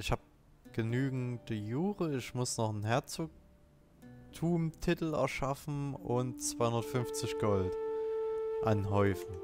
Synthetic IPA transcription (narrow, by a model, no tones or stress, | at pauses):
ʔɪçhaːb̚ | ɡ̥ənyːɡŋ̩d̥ijuːʁəɪçmʊsnɔχn̩ɦɛɐt͡soːk̚ | tʰuːmtʰɪtl̩ɛ̰ɐʃafn̩ʊntt͡sv̥aɪhʊndɐtfʏnft͡sɪçɡ̥ɔlt | ʔanɦɔʏfn̩